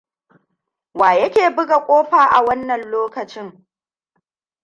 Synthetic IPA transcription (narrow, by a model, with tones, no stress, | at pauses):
waː˨jɐ˦kʲeː˨bɪ˦ɡa˨kʷʼoː˦ɸaː˨ʔa̰˨wɐ˦nːɐ˨nloː˦kɐ˨t͡ʃɪ˦ŋ